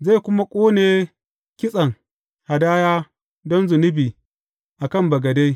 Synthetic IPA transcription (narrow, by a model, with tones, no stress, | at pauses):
za˦˨kʷʊ˦ma˦kʷʼoː˦neː˨ | kʲɪ˦sʼɐ˨ŋ | ha˨daː˦jaː˦ | dɔ˦nzʊ˨nʊ˦biː˨ | ʔa˨kɐ˦˨mbɐ˨ɡɐ˨da˦j